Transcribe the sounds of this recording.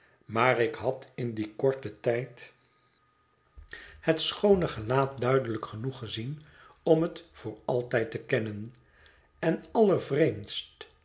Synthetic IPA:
maːrɪkɦɑtɪndikɔɹtətɛjt | hətsχownəχəlaːt̚dœɥdələkχənuχəzin | ɔmɦətfʊːɹɑlˠtɛjtəkɛnən | ɛnɑləɹvrejmtst

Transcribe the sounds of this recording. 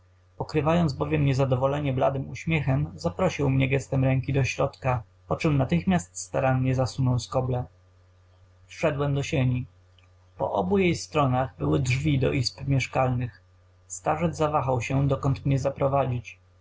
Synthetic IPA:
pɔkɾɘvajɔnd̪zbɔvʲjɛmɲɛzad̪ɔvɔlɛɲɛbla̰d̪ɘmuɕmʲjɛxɛmzapɾɔɕiwmɲɛɡɛst̪ɛmɾɛŋkʲid̪ɔɕɾɔt̪ka | pɔt͡ʂɛmnat̪ɘxmʲjast̪st̪aɾamɲɛzasunɔwskɔblɛ | fʂɛd̪wɛmd̪ɔɕeɲi | pɔ̰ʔɔ̰bujejst̪ɾɔnaɣbɘwɘdʐvʲid̪ɔ̰ʔispmʲjɛʂkalnɘx | st̪aʐɛd̪zzavaxawɕɛd̪ɔkɔnt̪mɲɛzapɾɔvad͡ʑit͡ɕ

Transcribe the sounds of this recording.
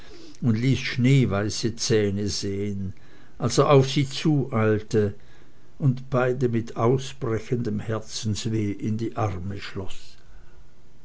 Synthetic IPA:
ʊndliːsʃneːvaɪsət͡sɛːnəzeːən | ʔalsoʔaʊfz̥iːt͡suːʔaɪltə | ʊntb̥aɪdəmɪtʰaʊsb̥ʁɛçəndəmhɛɐt͡sn̩sveːʔɪndiːʔaʁməʃlɔs

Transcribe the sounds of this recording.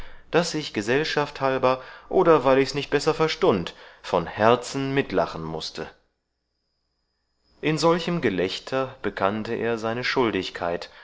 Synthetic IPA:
d̥asɪçɡ̥əzɛlʃafthalbɐʔoːdɐvaɪlɪçsnɪçt̚b̥ɛsɐfɛɐʃtʊntfɔnhɛɐt͡sn̩mɪtla̰χn̩mʊstʰə | ʔɪnzɔlçəmɡəlɛçtʰɐb̥əkʰantəʔḛːɐzaɪnəʃʊldɪçkʰa̰ɪt

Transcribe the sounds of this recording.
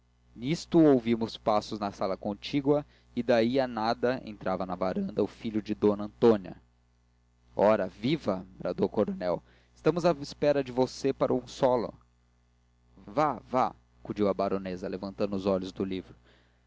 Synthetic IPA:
nist̪ʊowvimʊspasʊznɐsalɐkõnt͡ʃiɡwɐ | ɪd̪aianad̪ɐḛ̃nt̪ɾʔavɐnɐvaɾɐ̃nd̪ɐʊfiʎʊd͡ʒɪd̪õnɐ̃t̪õniɐ̰ | ɔɾɐvivɐbɾad̪okoɾonɛw | ɪst̪ɐ̃mʊzaispɛɾɐd͡ʒɪvosepaɾɐũsɔlʊ̰ | vava̰ | kud͡ʒiwɐbaɾonezɐlevɐ̃nt̪ɐ̃nd̪ʊʊzɔʎʊzd̪ʊlivɾʊ

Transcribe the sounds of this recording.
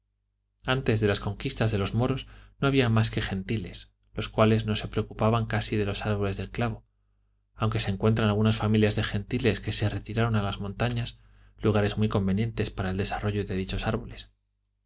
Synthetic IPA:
ant̪e̞zðe̞lasko̞ŋkist̪azðe̞lo̞zmo̞ɾo̞zno̞aβiamaske̞xe̞nt̪ile̞s | lo̞skwale̞zno̞se̞pɾe̞okupaβaŋkasiðe̞lo̞saɾβo̞le̞zðe̞lklaβo̞ | awŋke̞seːŋkwe̞nt̪ɾanalɣ̞unasfamiljazðe̞xe̞nt̪ile̞ske̞se̞re̞t̪iɾaɾo̞nalazmõnt̪aɲas | luɣaɾe̞zmwijko̞mbe̞njẽ̞nt̪e̞spaɾaeld̪e̞saro̞ʝo̞ðe̞ðit͡ʃo̞saɾβo̞le̞s

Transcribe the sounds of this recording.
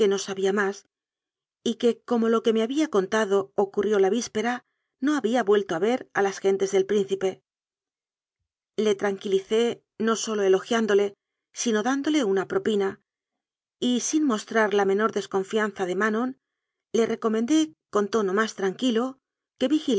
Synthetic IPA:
ke̞no̞saβiamas | ike̞ko̞mo̞lo̞ke̞me̞aβiako̞nt̪aðo̞ːkurjo̞laβispe̞ɾa | no̞aβiaβwe̞lt̪o̞aβe̞ɾalasxe̞nt̪e̞zðe̞lpɾin̟θipe̞ | le̞t̪ɾaŋkiliθe̞ | no̞so̞lo̞e̞lo̞xjand̪o̞le̞ | sino̞ðand̪o̞le̞unapɾo̞pina | isinmo̞st̪ɾaɾlamẽ̞no̞ɾðe̞sko̞ɱfijanθaðe̞mano̞n | le̞re̞ko̞mend̪e̞ko̞nt̪o̞no̞mast̪ɾaŋkilo̞ | ke̞βixi

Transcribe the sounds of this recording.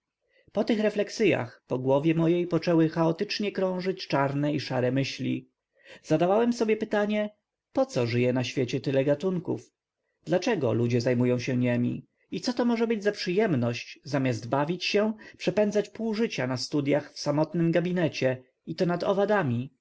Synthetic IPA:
pɔt̪ɘxɾɛflɛksɘja̰xpɔɡwɔvʲjɛmɔjejpɔt͡ʂɛwɘxaɔt̪ɘt͡ʂɲɛkɾɔ̃w̃ʐɘt͡ɕt͡ʂaɾnɛiʂaɾɛmɘɕlʲḭ | z̥ad̪avawɛmsɔbʲjɛpɘt̪aɲɛ | pɔt̪sɔʐɘjɛnaɕfʲjet͡ɕɛt̪ɘlɛɡat̪uŋkṵf | d̪lat͡ʂɛɡɔlud͡ʑɛzajmujɔ̃w̃ɕɛɲɛmʲḭ | it̪sɔt̪ɔmɔʐɛbɘd͡ʑzapʂɘjɛmnɔɕt͡ɕzamʲazd̪bavʲit͡ɕɕɛpʂɛpɛnd̪zat͡ɕpuwʐɘt͡ɕanast̪ud̪jaxfsamɔt̪nɘmɡabʲinɛt͡ɕɛ | it̪ɔnad̪ɔ̰vad̪amʲi

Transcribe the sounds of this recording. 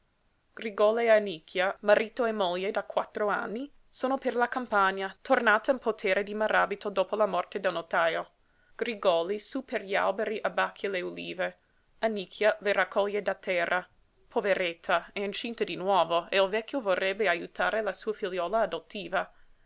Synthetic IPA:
ɡ̥riɡɔleanikʰːjamaɾiːt̪oemoʎːed̪akwat̪ːɾoa̰nːi | soːnoperlakampaɲːat̪ʰornaːt̪ainpot̪ʰɛːɾed̪imaɾaːbit̪od̪oːpolamɔrt̪ed̪elnot̪ajo | ɡ̥ɾiɡɔlisuperʎia̰lbeɾiʔabakʰːjeleulḭːve | anikʰːjaleɾakːɔʎːed̪at̪ʰːɛrːa | pʰoveɾet̪ʰːaeint͡ʃint̪ad̪inwɔːvoeilvɛkʰʲːjovorːɛbːeajut̪ʰaːɾelasuːafiljɔːlaːd̪ot̪ʰːiːva

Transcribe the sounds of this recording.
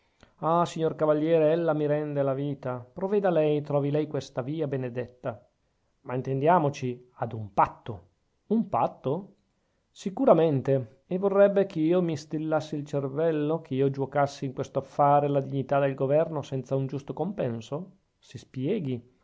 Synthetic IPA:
asiɲːorkavaʎːjɛːɾeɛlːamiɾɛnd̪elaviːt̪apɾovɛd̪alɛjt̪ɾɔːvilɛjkwest̪aviːabened̪et̪ːa | maint̪end̪jaːmot͡ʃiad̪umpat̪ːo | umpat̪ːo | sikuɾament̪e | evorːɛbːekʰeiːomist̪ilːasːilt͡ʃervɛlːokʰeiːod͡ʒuokasːiːŋkwest̪oafːaːɾelad̪iɲːit̪ad̪elɡovɛrnosɛnt̪saund͡ʒust̪okompɛnso | sispjɛːɡi

